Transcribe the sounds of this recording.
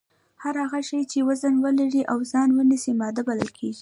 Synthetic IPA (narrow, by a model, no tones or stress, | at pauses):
haɾhaɣaʃəjt͡ʃewazənwəlaɾiʔawzɑnwənisimɑd̪abaləlkʰeʒi